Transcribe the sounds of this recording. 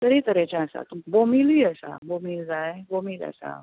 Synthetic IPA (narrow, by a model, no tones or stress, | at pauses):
t̪əɾit̪əɾɛt͡ɕãəsa̰t̪ubomiliːəsa̰bomiːld͡zaebomiːla̰sa̰